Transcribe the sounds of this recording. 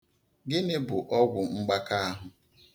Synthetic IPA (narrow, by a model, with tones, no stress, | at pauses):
ɡɪ˦nɪ˦bʊ˨ʔɔ˦ɡʷʊ˨ŋ͡m̩˦ɡ͡ba˦ka˦a˦ɦʊ˨